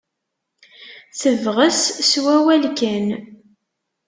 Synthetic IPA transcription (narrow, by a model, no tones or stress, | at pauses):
θəvʁəsswæwælkæn